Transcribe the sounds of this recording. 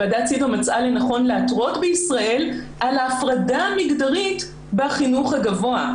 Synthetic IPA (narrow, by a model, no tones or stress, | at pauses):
adat͡sid̪mat͡sʔalenaχo̞nleatʁo̞t̪beisʁaʔe̞lʔalaːfʁadamiɡdaʁit | baχinuχhaɡavo̞a